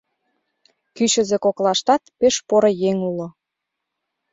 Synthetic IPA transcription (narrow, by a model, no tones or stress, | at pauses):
kyɕə̆zĕkoklɑʃt̪ɑt̪peʃpoɾojeŋulŏ